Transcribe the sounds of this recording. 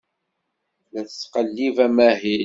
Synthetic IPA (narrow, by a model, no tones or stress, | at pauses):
læθə̥t͡sːqəlːivæmæɦi